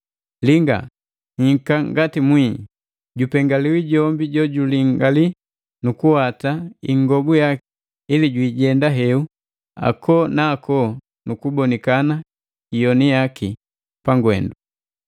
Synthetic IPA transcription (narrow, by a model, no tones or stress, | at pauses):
liŋɡa̰ | ŋ̩ŋ̩kaŋɡatimwi | ɟupɛŋɡaliwiɟɔmbiɟɔɟuliŋɡali | nukuhataiŋɡɔɡujaki | iliɟwiːɟɛndaɦɛu | a̰kʰɔnaːkɔ | nukubɔnikana | ijɔnijaki | paŋɡwɛ̰ndu